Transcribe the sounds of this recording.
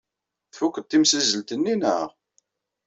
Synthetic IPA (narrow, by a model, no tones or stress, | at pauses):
θfukːət̪ːimsizːəlt̪ənːinəʁ